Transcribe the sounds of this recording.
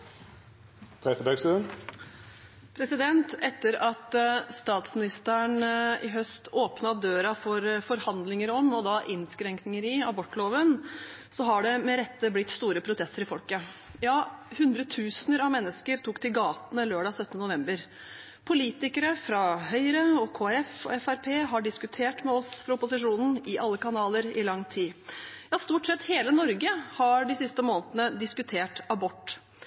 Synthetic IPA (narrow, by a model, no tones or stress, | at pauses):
t̪ʰɾɛfəbɛːɡst̪ʉːən | pʰɾɛsɪd̪ɛnt̪ɛt̪ːəɾɑt̪st̪ɑːt̪smɪnɪst̪əɳɪ̰ɦœst̪oːpnɑd̪øːɾɑfɔɾfɔɾhɑnd̪lɪŋəɾɔmɔd̪ɑʔɪnskɾɛŋknɪŋəɾɪɑbɔʈːloːʋən | sɔɦɑɖɛmɛɾɛt̪ːəblɪt̪st̪uːɾəpʰɾʊt̪ʰɛst̪əɾɪfɔlkəjɑːhʉnd̪ɾət̪ʰʉːsnəɾɑʋmɛnːəskəɾt̪ʰuːkt̪ʰɪlɡɑːt̪nəløːɖɑːsœt̪ənənʊʋɛmbəɾ | pʰʊliːt̪ɪkəɾəfɾɑɦœʏəɾəɔkʰoːæɾɛfɔ̰ɛfæɾpʰeːɦɑɖɪskʉt̪ʰeːʈmɛɔsfɾʊpʊsɪʂuːnn̩ɪʔɑlːəkɑnɑːləɾɪlɑŋːt̪ʰiːjɑːst̪uːʈsɛt̪heːlənɔɾɡəhɑɖɪsɪst̪əmoːnət̪ənəd̪ɪskʉt̪ʰeːʈɑbɔʈː